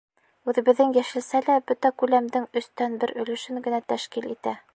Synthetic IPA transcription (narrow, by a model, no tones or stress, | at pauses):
ʉðɘ̆βɘ̆ðːɘŋjæʃɘ̆lsælæbɵt̪ækʉlæmd̪ɘŋɵ̆st̪ænbɘɾɵ̆lɘ̆ʃɘŋɡɘ̆næt̪æʃkilit̪æ